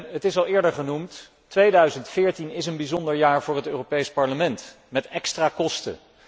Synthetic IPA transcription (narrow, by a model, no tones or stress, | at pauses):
ɦətɪsɑlˠɪːɹdəɹχənumtː | ʋejdœɥzəntfɪːɹtinɪsənbizɔndəɹjaːɹvʊːɹɦətøːropejspɑɹləmɛnt | mɛtɛkstraːkɔstə̰